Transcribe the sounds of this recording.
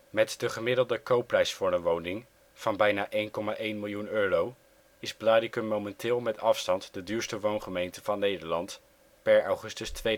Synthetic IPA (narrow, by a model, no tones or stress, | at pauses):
mɛtdəχəmɪdəlˠdəkowprɛjsfʊːɹənʋownɪŋ | v̥ɑnbɛjnaːʔejnkɔmaʔejnmɪlˠjunøːrow | ɪzblaːdɪkəmowmɛntʰɪːlˠmɛtɑfstɑntdədyːɹstəʋownχəmejntəv̥ɑnːejdəɹlɑnt | pɛɹɑwχɵstəstʋej